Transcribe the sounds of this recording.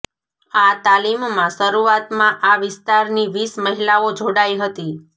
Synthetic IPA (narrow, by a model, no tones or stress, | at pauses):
at̪alimmãsəɾuat̪mãʔaʋɪst̪aɾniʋisməɦilaod͡ʒʱoɽaiɦət̪i